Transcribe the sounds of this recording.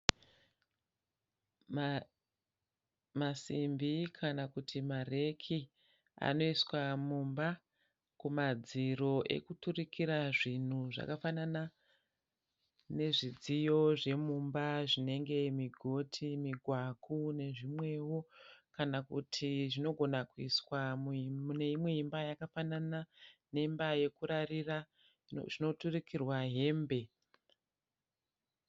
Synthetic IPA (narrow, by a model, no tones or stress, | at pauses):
masimbikʰanakutʰimare̞kʰi | a̰no̞iswamumba | kumad͡ziɾo̞ʔe̞̰kuturikʰiɾaʐin̤uʐa̰kafanana | ne̞ʐid͡zijo̞ʐe̞mumbaʐine̞ŋɡe̞miɡʱo̞tʰimiɡʱwakʰune̞ʐimwe̞wo̞kanakutʰiʐino̞ɡʱo̞nakuiswamuune̞imwe̞imbajakafananane̞imbaje̞kuɾarira | ʐino̞turikirwaɦe̞ːmbe̞